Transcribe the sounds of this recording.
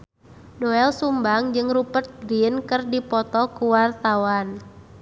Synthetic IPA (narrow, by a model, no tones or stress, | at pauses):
dɔɛlsumbaŋd͡ʒɨŋrupət̪̚ɡɾinkɨrdipɔt̪ɔkuwart̪awan